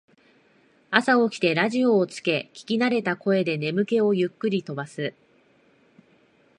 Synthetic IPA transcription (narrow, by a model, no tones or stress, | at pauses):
asao̞kʲi̥t̪e̞ɾaʑio̞ːt͡sɨ̥ke̞kʲi̥kʲinaɾe̞t̪ako̞e̞d̪e̞ne̞mɯ̟ke̞o̞jɯ̟kːɯ̟ɾʲit̪o̞basɨ